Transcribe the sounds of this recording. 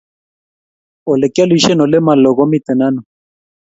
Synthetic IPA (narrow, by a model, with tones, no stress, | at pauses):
o˨le˨kja˦li˦ʃɛ˦no˨le˦ma˨lɔ˨ɣɔ˦mi˦t̪ə˨na˦nu˨